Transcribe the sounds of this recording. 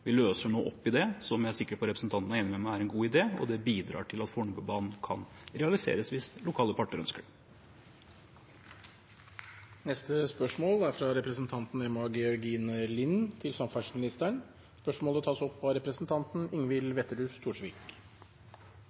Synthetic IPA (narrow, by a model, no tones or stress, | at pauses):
ʋɪløːsəɳoːʔɔpːɪd̪ɛsɔmjææsɪkːəɾpɔɾɛpɾəsn̩t̪ʰɑnt̪ənəɛnːəmɛmææɾɛnɡuːɪd̪eːɔ̰d̪ɛbiːd̪ɾɑ̰ːʈʰɪlɑt̪fɔɳbəbɑːnn̩kʰɑ̰n | ɾɛɑlɪsḛːɾəsʋɪslʊkʰɑːləpʰɑʈːəɾœ̰nskəɾ | nɛst̪əspœʂmoːlæɾfɾɑɾɛpɾəsnt̪ʰɑnt̪n̩ɛmɑɡɛɔɾɡiːnəlɪnt̪ʰɪlsɑmfæʂmɪnɪst̪æɳ | spœʂmoːlət̪ʰɑːsɔpʋɑɾɛpɾəsn̩t̪ʰɑnt̪n̩ɪŋʋɪlʋɛt̪ːəɾʉːft̪ʰuːʂʋiːk